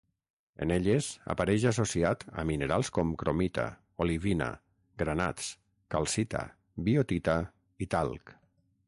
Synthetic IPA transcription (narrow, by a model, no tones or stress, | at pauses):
ḛneʎeza̰paɾɛʒasosiat̪a̰mineɾalˠskɔmkɾomit̪a̰ | oliβina̰ | ɡɾana̰t͡s | kalˠsit̪a̰ | biot̪it̪a | it̪alˠk